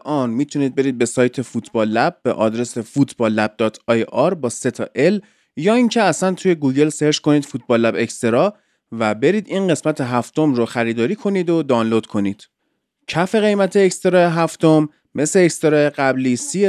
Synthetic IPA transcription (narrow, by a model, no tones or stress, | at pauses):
ʔɒːnmiːt̪ʰuniːd̪̚be̞ɾiːd̪̚be̞sɒːjt̪ʰe̞fut̪ʰbɒːlːæb̚ːḛʔɒ̰ːd̪ɾe̞se̞fut̪ʰbɒːlːæb̚d̪ɒːt̪ʰɒːjʔɒɾbɒːse̞t̪ʰɒːʔe̞l | jɒːiŋcʰe̞æsænt̪ʰuje̞ɡuːɟe̞lse̞ɾʃko̞niːd̪fut̪̚ʰbɒːlːæbe̞cst̪e̞ɾɒ | væbe̞ɾiːd̪iːnɢe̞smæt̪ʰe̞ɦæft̪o̞mɾoxæɾiːd̪ɒːɾiːkʰo̞niːd̪od̪ɒːnlod̪̥kʰo̞niːd̪̥ | cʰæfe̞ɣe̞jmæt̪ʰeːcst̪e̞ɾɒːeɦæft̪o̞mː | e̞sleːcst̪e̞ɾɒːjeɣæbliːsi